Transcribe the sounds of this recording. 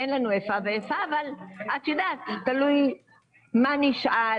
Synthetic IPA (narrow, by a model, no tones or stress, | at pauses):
enlanuefaveefaːvalʔat̪jod̪at̪t̪aluj | maniʃa